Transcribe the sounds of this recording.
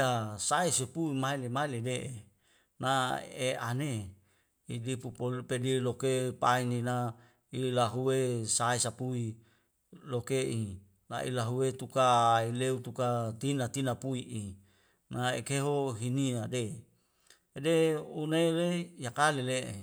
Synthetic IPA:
asaesepuimailemailedeʔe | naea̰ne | idipupolpedilokepainina | ilaɦuwesaesapui | lokeʔi | na̰ʔḭlaɦuwet̪ukaileut̪ukat̪inat̪inapuiʔi | naḛkeɦoɦiniade | deunelejakaleleʔḛ

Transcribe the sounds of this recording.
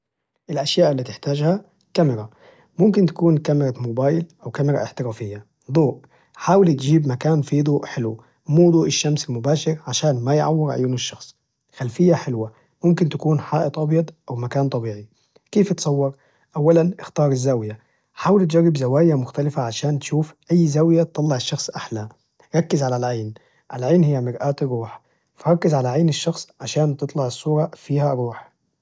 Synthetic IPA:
ʔɪlʔaʃjaːʔlːat̪ɪħt̪aːd͡ʒha | kamɪɾɑ | mʊmkɪnt̪ḁkuːnkamɪɾˤɑmʊbɑːjɪlʔawkamɪɾˤɑ̰ʔɪħt̪ɪɾaːfɪjːa | d̪ˤuːʔ | ħaːwɪlt̪d͡ʒiːbmakaːnfiːd̪ˤuːʔħɪlw | muːd̪ˤuːʔɪʃːamsɪlmʊbaːʃɪɾʕaʃaːnmajʕa̰wːɪɾʕʊ̰juːnɪʃːɑxsˤ | xalfɪjːaħɪlwa | mʊmkɪnt̪akuːnħaːʔɪt̪ˤʔɑbjɑd̪ˤʔawmakaːnt̪ˤɑbiːʕi | keːft̪sˤɑwːɑɾˤ | ʔawːalanʔɪxt̪ɑːɾˤɪzːawja | ħaːwalt̪d͡ʒarːɪbzawaːjamʊxt̪alɪfaʕaʃaːnt̪ʃuːfʔajːzawjat̪t̪ːˤɑlːɑʕɪʃːɑxsˤʔaħla | ɾˤɑkːɪzʕalalʕaːn | ʔalʕaːnhɪjːamɪɾʔaːt̪rːuːħ | faɾˤɑkːɪzʕalaʕaːnɪʃːɑxsˤʕaʃaːnt̪ɨt̪ˤlɑʕɨsˤːuːɾˤɑfiːhaɾˤuːħ

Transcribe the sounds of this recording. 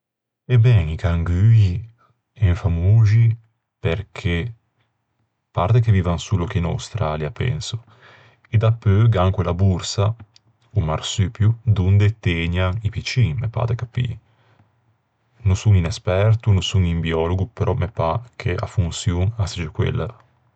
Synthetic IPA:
ebːɛŋikaŋɡyi | ɛɱfamuːʒi | peɾkʰe | paɾt̪ekeviːvaŋsulokena̰wst̪ɾaljapɛ̰nso | ed̪apːøɡaŋkwelabuɾsa | umaɾsypjud̪und̪et̪eɲaŋipit͡ʃiŋmepa̰t̪ekapːḭ | nosuŋinɛspɛɾt̪unosuŋimbiɔːloɡupeɾʔɔmepakʰea̰funsjuŋasid͡ʒokwḛlːa

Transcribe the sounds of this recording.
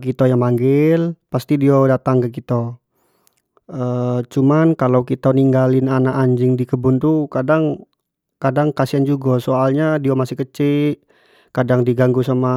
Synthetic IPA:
kit̪ajaŋmaŋɡɪlpast̪idiodat̪aŋkəkit̪a | ət͡ʃumankalawkit̪aniŋɡalɪnanaʔaɲd͡ʒɪŋdikəbʊnt̪ukadaŋ | kadaŋkasiand͡ʒuɡasoalɲadiamasɪhkət͡ʃɪʔ | kadaŋdiɡaŋɡusama

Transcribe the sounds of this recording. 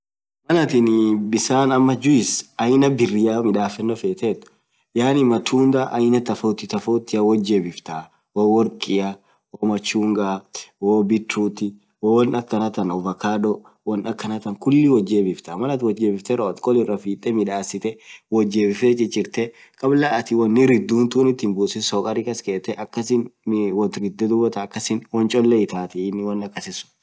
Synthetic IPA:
mɐnɐt̪ɪnbɪsaːnɐmːɐd͡ʒʊɪsɐjnɐbɪrːɪjaːmɪᶑaːfɛnːɔfeːt̪et̪ːʊ̥ | jaːnɪmɐt̪ʰuːnd̪aʔɐjnɐt̪ɐfoːt̪ɪt̪ɐfoːt̪ːɪɐwɔd͡ʒebɪft̪a | woːwɔɾkʼɪjɐ | woːmɐt͡ʃːuːŋɡawoːbɪt̪ːɾuːt̪ɪ | wowɔnɐkːɐnɐt̪ɐnɔvɐkaːᶑɔ | wɐnɐkːɐnɐt̪ɐŋkʊlːɪwɔd͡ʒːebɪft̪ɐamɐlɐt̪wɔd͡ʒeːbɪft̪ɛɾɐɔt̪kʼɔlɪrːɐfiːt̪ʼːɛmɪᶑaːsɪt̪ɛwɔd͡ʒːeːbɪfet͡ʃʼɪd͡ʒɪɾt̪ɛ | kʼɐblaʔɐt̪ɪwɐnːɪɾɪd̪ːuːnt̪uːnɪt̪ːɪnbuːsɪsɔkʼɐɾikɐskeːt̪ːɛʔɐkːɐsɪnːwɔt̪ɾɪd̪ːɛd̪ʊbɐt̪ɐːkːɐsɪnwɔnt͡ʃʼɔlːɛɪt̪aːt̪ɪːnːɪwɐnːɐkːɐsɪsʊ̥

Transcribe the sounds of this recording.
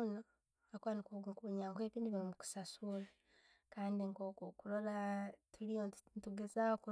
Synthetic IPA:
no | akwanikukuuɲaːŋkeβiːndiβiɾimuku̥sasula | kaːndiŋɡokokuɾolatʰulijontuɡezaoku

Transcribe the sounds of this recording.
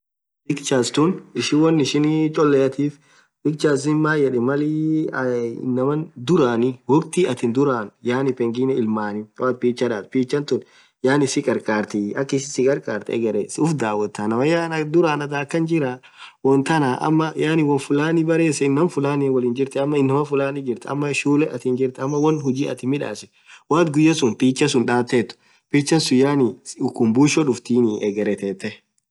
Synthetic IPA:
ɪkt͡ʃaːst̪ʊnɪʃɪwɔnːɪʃɪnt͡ʃʼɔlːɛjɐt̪iːf | ɪk̚t͡ʃaːsɪnmːaːjɛᶑɛmɐlɪ | nːɐmɐnd̪ʊɾaːnɪwɔkt̪iɐt̪ɪnd̪ʊɾaːnjaːnɪpɛŋɡɪnɛɪlmaːnɪat̪̚piːt͡ʃːɐᶑaːt̪piːt͡ʃːɐnt̪ʊn | jaːnɪsɪkʼɐɾkʼaːɾt̪ɪɐkːɪsɪsɪkʼɐɾkʼa̰ːɾt̪ɛɛ̰ɡɐɾɛsʊfd̪aːwɐt̪ːanɐwɐjaːnd̪ʊɾaːnɐd̪aːkːɐnd͡ʒɪɾa | wɔnt̪ɐnaːʔɐ̰mːɐjaːnɪwɔnfʊlaːnɪbɐɾeːsɛɪnːɐmfʊlaːnɛwɐliːnd͡ʒɪɾt̪ɛɐmːɐɪnːɐmɐfʊlaːnɪd͡ʒɪɾt̪ɛɐ̰mːɐʃuːlɛɐt̪iːnd͡ʒɪɾt̪ɛɐmːɐwɐnhʊd͡ʒiːɐ̰t̪ɪmɪᶑa̰ːsɛ̥ | waːt̪ɡʊjːɐsʊnpiːt͡ʃːɐsʊnᶑaːt̪ːeːt̪ːʊ̥ | piːt͡ʃːɐnsʊjaːnɪʊkːʊmbuːʃɔᶑʊft̪iːnɪʔɛɡɛɾɛt̪eːt̪ːɛ

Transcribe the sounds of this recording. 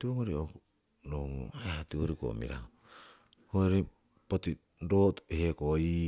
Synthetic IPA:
tiβoŋoɾiok | noŋṵajatioɾiko̰mḭɾa̰ho | hoeɾe | poti | dothekoi

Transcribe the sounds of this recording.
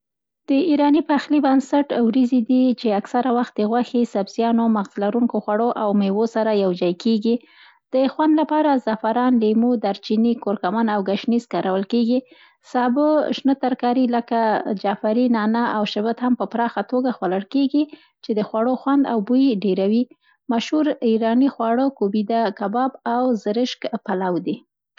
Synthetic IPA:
d̪̥əiɾɑnipaxlibansaʈwɾizid̪it͡ʃeaksaɾawaxt̪̚d̪əɣwaxisabz̥jɑnomaɣzlaɾuŋkoxwaɽoʔawmewosaɾajawd͡ʒɑjkʰeɡi | d̪̥əxwand̪lapɑɾazafaɾɑnlemud̪aɾt͡ʃinikoɾkamanawɡaʃniskɑɾʔawəlkeɡi | sɑbəʃnət̪aɾkɑɾiləkad͡ʒafaɾinɑnaawʃɪbət̪hampəpɾɑxat̪oɡaxwaləɽkeɡi | t͡ʃed̪əxwaɽoxwand̪a̰wbujɖeɾawi | maʃhuɾiɾɑnixwɑɽəkobid̪akabɑbawzəɾɪʃkpalawd̪i

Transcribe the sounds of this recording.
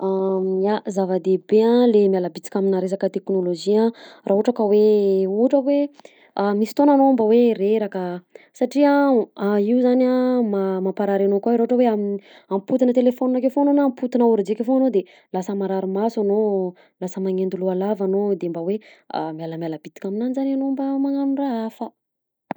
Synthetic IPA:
aazavəd̪ebeãlemialəbit͡si̥kʲaminaɾesakət̪eknoloʒiãraɦuʈ͡ʂakəweuɦʈ͡ʂəwe | amisi̥t̪onanoambaweɾeɾakə | saʈ͡ʂia | iuzanamamapaɾaɾanokaɾaɦuʈ͡ʂəweami | amiput̪inət̪elefoninakefoanonamput̪inauɾid͡ʒekefoanod̪e | lasəmaɾaɾimasano | lasəmaŋend̪ulualavanod̪embawea̰mialəmjaləb̥it̪i̥kʲaminanizananombamaŋanuraafə

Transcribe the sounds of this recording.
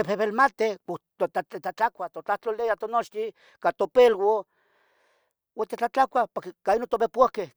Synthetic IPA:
epeβelmat̪eot̪oaet͡ɬat͡ɬakʷat̪ot͡ɬaht͡ɬolejat̪onot͡ʃt̪i | kat̪opelwo | wat̪et͡ɬat͡ɬakʷapoɾkekainot̪opepuahke

